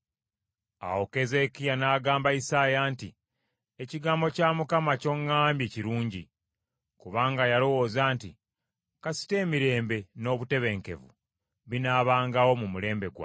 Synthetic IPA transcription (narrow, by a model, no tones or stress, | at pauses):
a̰woke̞ze̞kijanaːɡaːmbaisajaːnti | eciɡaːmbo̞caːmukamaco̞ŋːaːmbjeciɾuːɲɟi | kuβaːŋɡajalo̞wo̞ːzaːnti | kasi̥te̞ːmiɾe̞ːmbe̞no̞ːβute̞βe̞ŋke̞̰vṵ | βinaːβaːŋɡawo̞mumule̞ːmbe̞ɡwa̰